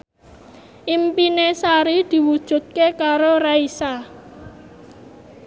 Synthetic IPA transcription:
ʔimpinesaɾid̪̥i̤wud̥ʒ̥ṳt̪̚kekaɾoɾaisa

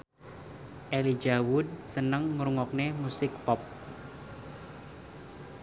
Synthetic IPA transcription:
ʔelid͡ʒawʊd̪̚sənəŋːɾuŋɔk̚nemusɪk̚pɔp̚

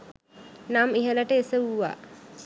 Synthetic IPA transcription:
namiɦələʈəesəuʋa̰ː

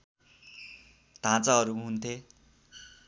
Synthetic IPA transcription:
t̪ãt͡saɦʌɾuɦunt̪ʰe

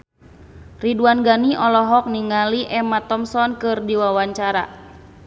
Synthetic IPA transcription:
riduanɡaniʔɔlɔɦɔk̚niŋaliʔɛmat̪ɔmsɔnkɨrdiwawaɲt͡ʃaɾa̰

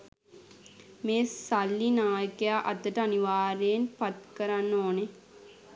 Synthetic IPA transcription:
meːssalːinaːjəkejaʔɐ̰t̪ːəʈəaniʋaːɾeːnpat̪kəɾanːoːne

